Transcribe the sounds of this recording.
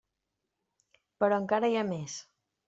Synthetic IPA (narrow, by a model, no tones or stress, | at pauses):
pəɾɔəŋkaɾəjames